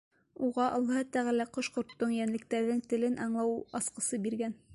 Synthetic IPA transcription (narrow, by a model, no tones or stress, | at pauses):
uʁɑʔɑlˠːɑɦɤt̪æʁɘlæqŏʃqŏɾt̪ːoɴjænlɘ̆k̚t̪æɾðɘŋt̪ɘ̆lɘnʔɑɴlˠɑwɑsqɤ̆sɤbiɾɡæn